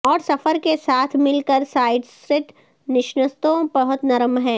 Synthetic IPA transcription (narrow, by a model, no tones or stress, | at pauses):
ɔːɾsɐfəɾkesaːt̪ʰmɪlkəɾsaːɪɖsɾɪʈ | nɪʃnəst̪õbɐɦʊt̪nɐɾəmɦɛ̃ː